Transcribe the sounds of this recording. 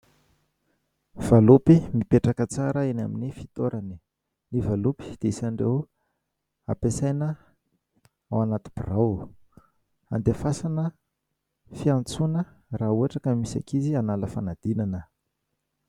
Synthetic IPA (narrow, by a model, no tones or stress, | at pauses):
v̥alupimipeʈ͡ʂakət͡saɾəena̰minifi̥t̪oɾʔani̥ | nivalupi̥d̪̥eisaɳɖ͡ʐḛw | a̰pesajnə | a̰wanat̪i̥b̥iraw | a̰nd̪efasanə | fiant͡sunə | raːuaʈ͡ʂakəmisa̰kizianaləfanad̪̥inanə